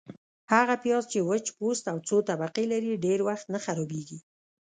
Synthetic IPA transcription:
haɣapjɑzt͡ʃewət͡ʃpost̪awt͡sot̪abaqilaɾiɖeɾwaxt̪naxaɾɔbeɡi

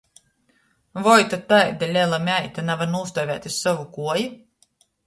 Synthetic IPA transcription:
vɔjt̪at̪ajd̪alʲɛlˠamʲæjt̪anavanuːst̪ɔjvʲæːt̪ʲisːɔvukuɔji

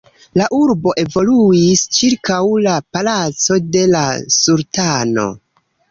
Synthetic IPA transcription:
laʔuɾbo̞ʔe̞vo̞luist͡ʃiɾkawlapalat͡so̞de̞lasuɾtano̞̰

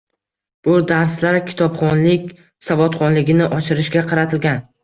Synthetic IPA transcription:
b̥ʊd̪aɾslaɾkʲʰɪ̥t̪ʰɒpχɒnlɪkʲ | savɒt̪χɒnlɪɡʲɪnɪʔɒt͡ʃʰɪɾɪʃɡʲaqʰɑɾat̪ʰɪlɡʲan

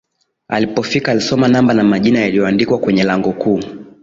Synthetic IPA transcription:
a̰lipɔfikaːlisɔmanambanamaʄinajalijɔandikwakwɛɲɛlaŋɡɔkuː

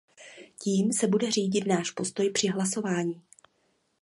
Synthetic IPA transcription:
ciːmsɛbudɛr̝iːɟɪt̪naːʃpo̞st̪o̞jpr̝̥ɪɦlaso̞vaːɲiː

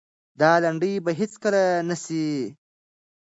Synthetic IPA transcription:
d̪ɑːlaɳɖəjbaɦɪt͡skəlanasi

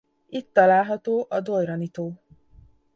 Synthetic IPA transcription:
it̪ːɒlaːlɦɒt̪oːʔɒd̪ojɾɒnit̪oː

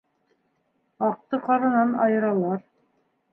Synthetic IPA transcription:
ɑq̚t̪ɤqɑɾɤ̆nɑnɑ̰jɤ̆ɾɑlˠɑɾ

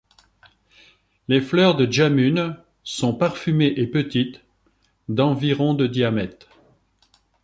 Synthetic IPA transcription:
leflœʁd̪əʒamyn | sɔ̃paʁfymeʔepət̪it̪ | d̪ɑ̃viʁɔ̃d̪əd̪jamɛt̪

